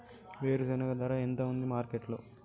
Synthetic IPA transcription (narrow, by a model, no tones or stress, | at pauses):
ʋeːɾusenɐkɐd̪ɐːɾaːent̪ɐund̪imaːɾkeʈlo̰ː